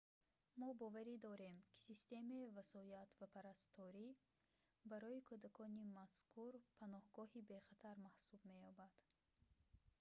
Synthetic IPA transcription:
mɔbɔvaɾid̪ɔɾe̞mkʰi̥sist̪e̞meivasɔjat̪vapʰaɾast̪ʰɔɾi | baɾɔikʰud̪akʰɔnimaskʰuɾpʰanɔhɡɔhibe̞χat̪ʰaɾmahsubme̞jɔbad̪̥

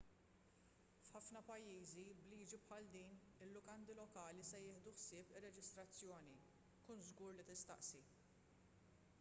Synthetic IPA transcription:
fħɐfnɐpɐjːiːzibliːd͡ʒipħɐld̪iːn | ɪlːʊkɐnd̪ilɔkɐːlisɛjɪːħd̪uħsɪːpɪrːɛd͡ʒɪst̪ɾɐt͡sːjɔːni | kuːnzɡuːɾlit̪ɪst̪ɐ̰ʔsi

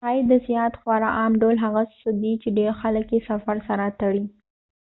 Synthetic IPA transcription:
ɑjd̪əzjɑt̪xwɑɾaʔɑmɖolɦaɣassʊd̪it͡ʃeɖeɾxaləkjesafaɾsaɾat̪əɽi

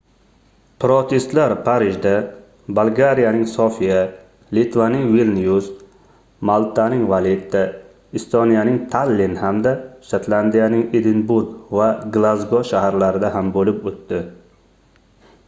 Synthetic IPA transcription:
pʰɾot̪ʰest̪laɾpʰaɾɪʒd̪a | balˠɡaɾijanɪŋsofija | lit̪vanɪŋvilnijus | malˠt̪ʰanɪŋvalet̪ʰːa | ɪst̪onijanɪŋt̪ʰalːinhamd̪aʃat̪land̪ijanɪŋed̪ɪnbuɾɡvaɡlˠazɡɒʃahaɾlaɾɪd̪aɦambolɪpot̪ːɪ

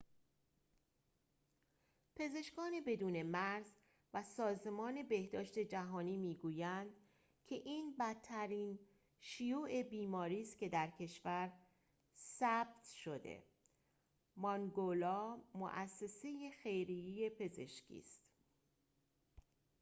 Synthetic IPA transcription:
pʰe̞ze̞ʃkɒːne̞be̞d̪uːne̞mæɾz | væsɒːze̞mɒːne̞behd̪ɒːʃt̪e̞d͡ʒæɦɒːniːmiːɡuːjænd̪ | cʲʰe̞ʔiːnbæt̪ʰːæɾiːn | ʃijuːʔe̞biːmɒːɾiːst̪cʰe̞d̪æɾcʰe̞ʃvæɾ | sæb̥̚t̪ʃo̞d̪ḛ | mɒŋɡolɒːmo̰ʔæsːe̞se̞jexe̞jɾijije̞pʰe̞ze̞̰ʃcʰḭːst̪

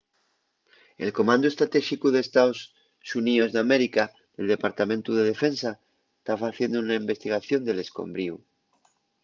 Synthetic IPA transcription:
e̞̰lko̞mãnd̪ue̞st̪ɾat̪eʃikuðest̪aos | suniozðeameɾika | ðe̞ld̪epaɾt̪amẽnt̪uðe̞ðefẽ̞nsa | est̪afaθje̞nd̪ounaimbe̞st̪iɣ̞aθjo̞nd̪e̞le̞sko̞̰mbɾiu

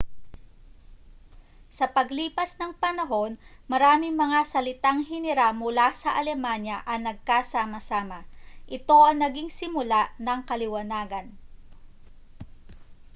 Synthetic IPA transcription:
sɐpɐɡliːpɐsnɐŋpɐnɐɦo̞nmɐɾaːmɪŋmɐŋasɐlɪt̪aŋɦɪnɪɾamʊlasɐʔɐlɛmanjɐʔɐŋnɐɡ̚kasaːmɐsaːmɐʔɪt̪o̞ʔɐŋnɐɡiŋsɪmʊlaʔnɐŋkɐlɪwɐnaːɡɐn

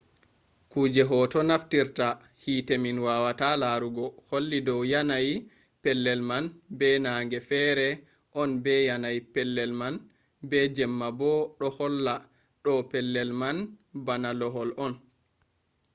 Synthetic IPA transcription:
kuːd͡ʒɛɦɔtɔnaftiɾta | hiːteminwawatalaɾuɡɔholːidɔwjanaj | pɛlːɛlmanbɛnaːŋɡɛfɛːɾɛ | ʔɔnbɛjanajipɛlːɛlman | bɛd͡ʒɛmːabɔɗɔhɔlːa | ɗɔpɛlːɛlmanbanalɔɦɔlʔɔn

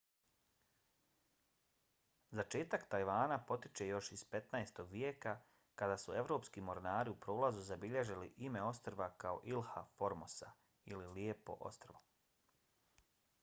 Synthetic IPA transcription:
zat͡ʃe̞ːt̪akt̪ajʋaːnapo̞t̪i̥t͡ʃe̞jo̞ʃiz̥pe̞t̪naest̪o̞ɡʋjeːka | kad̪aːsue̞ʋɾo̞ːpskimo̞ɾnaːɾiupɾo̞ːlazuzabiʎeʒiliʔime̞o̞st̪ɾʋakao̞̰ʔilˠha̰fo̞ɾmosa | ililiepo̞̰ʔo̞̰st̪ɾʋo

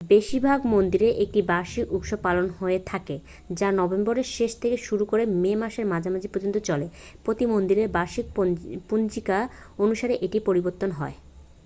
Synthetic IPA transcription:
beʃiɾbʱaɡmond̪iɾeʔek̚ʈibaɾʃiʔukʃopalonɦoet̪ʰake | d͡ʑanɔbemboɾeɾʃeʃt̪ʰekeʃuɾukoɾememaʃeɾmad͡ʑʱamad͡ʑʱipɾod͡ʑont̪ot͡ɕɔlepɾot̪imond̪iɾeɾbaʃikpund͡ʑikaonuʃaɾeʔeʈipoɾiboɾt̪ːonɦɔe

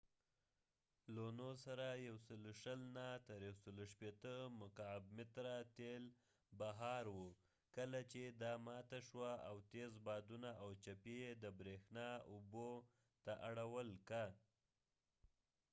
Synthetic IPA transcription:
lonosaɾajawsəloʃəlnat̪əɾjawsəloʃpet̪əmʊkab̚mɪt̪ɾat̪el | baɦɑɾwu | kəlat͡ʃed̪ɑmɑt̪aʃwaawt̪ezbɑd̪unaʔawt͡ʃapeed̪əbɾexnɑubo | t̪aʔaɽawəlka

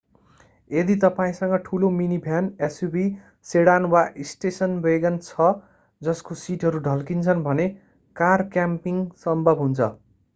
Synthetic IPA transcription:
ed̪it̪ʌpaĩsʌŋɡʌʈʰulominibʱjanesjubʱi | seɽanwaʔisʈesʌnbeɡʌnt͡sʰʌ | d͡zʌskosiʈɦʌɾuɖʱʌlkint͡sʰʌnbʱʌne | karkjampiŋsʌmbʱʌbɦunt͡sʰʌ

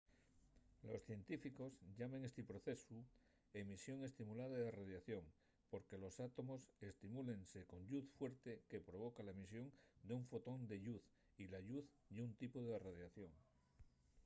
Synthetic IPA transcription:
lo̞sθje̞nt̪ifiko̞zʎamẽ̞ŋest̪ipɾo̞θe̞su | e̞misjo̞ŋe̞st̪imulaðaðeraðjaθjo̞ŋ | po̞ɾke̞lo̞sat̪o̞mo̞se̞st̪imule̞nse̞ko̞ɲʎuθfwe̞ɾt̪e̞ke̞pɾo̞β̞o̞kalaemisjo̞ŋd̪euɱfo̞t̪o̞nd̪e̞ʎuθ | ilaʎuθd̪eunt̪ipoðeraðjaθjo̞ŋ

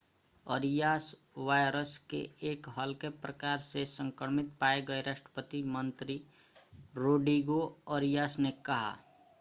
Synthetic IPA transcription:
əɾijaːs | ʋaːjɾəskḛeːkɦəlkepɾəkaːɾsesə̃ŋkɾəɾmɪt̪paːeɡəeɾaʃʈɾə̥pət̪imə̃nt̪ɾi | ɾoːɖiɡoəɾijaːsnekɐɦa̰

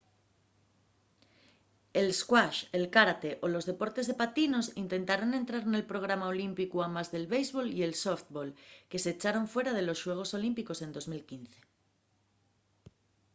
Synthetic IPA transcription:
e̞lskwaʃelkaɾat̪e̞ʔolo̞zðe̞po̞ɾt̪e̞zðepat̪ino̞sint̪e̞nt̪aɾone̞nt̪ɾaɾne̞lpɾo̞ɣɾamaolimpikuamazðe̞lβejzβo̞lie̞lsoft̪bolke̞set͡ʃaɾoɱfwe̞ɾað̞e̞lo̞sʃwe̞ɣ̞o̞so̞limpiko̞se̞nd̪o̞zmilkin̟θe̥

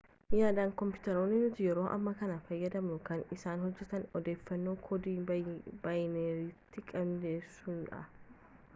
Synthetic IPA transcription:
jaːd̪aːŋkɔmpɪt̪ɐɾoːnːɪnʊt̪ɪjɛɾo̞ːʔɐ̰mːɐkɐnɐfɐjːɐd̪ɐmnʊkɐnɪsaːnhɔd͡ʒːɛt̪ɐnɔd̪e̞ːfːɐnːo̞ːkʰɔd̪iːbajneːɾiːt̪ːɪkʼɐmd̪eːsːʊnᶑɐ̰

